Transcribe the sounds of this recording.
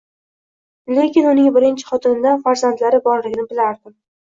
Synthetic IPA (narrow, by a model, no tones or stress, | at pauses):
le̞kʲɪnʊnɪŋbɪɾɪnt͡ʃʰɪ̥χɒt̪ʰɪnɪd̪anfaɾzant̪laɾɪbɒɾlɪɡʲɪnɪbɪlaɾd̪ɪm